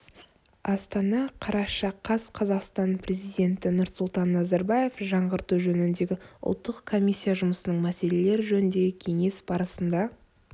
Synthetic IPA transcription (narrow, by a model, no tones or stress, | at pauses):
ɑst̪ɑnɑqʰɑɾɑʃɑqʰɑsqʰɑzɑqst̪ɑnpʰɾe̞zijd̪ʲe̞nt̪ɪnʊɾt̪sʊlˠt̪ɑnːɑzɑɾbɑje̞fʒɑɴʁəɾt̪uʒɵnɪnd̪e̞ɡʲɪʊ̰lˠt̪ːəqkʰːo̞mʲijsʲːijaʒʊməsənəɴmæse̞le̞le̞ɾɪʒɵnɪnd̪e̞ɡʲɪkʲʰe̞ŋe̞sbɑɾəsənd̪ɑ